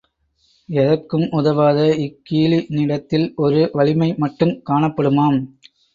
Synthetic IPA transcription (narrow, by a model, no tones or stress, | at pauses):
ɛðɐrkːɯmʔʊðɐʋaːðɐɪkːiːɭinɪɽɐt̪ːɪlɔɾɯʋɐɭɪmɐɪmɐʈːɯmkaːɳɐpːɐɽɯmaːm